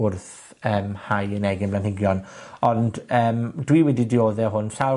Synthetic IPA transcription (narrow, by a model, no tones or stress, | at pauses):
ʊrθ | əːmhajənɛɡɪnblˠanhɪɡjɔnɔndəːmdwiwɛdidɪoːðɛɦʊnɬa